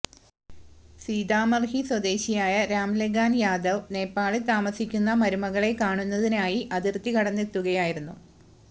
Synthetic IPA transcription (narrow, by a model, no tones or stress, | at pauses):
siːd̪aːmɐrɦiswɐd̪e̞ːɕijaːjɐɾaːmleɡaːnjaːd̪ɐʋne̞ːpːaːɭit̪aːmɐsikʲːunːɐmɐɾumɐɣɐɭe̞kaːɳunːɐðinaːjiʔɐðirt̪ːikɐɽɐnːet̪ːuɣɐjaːjiɾunːu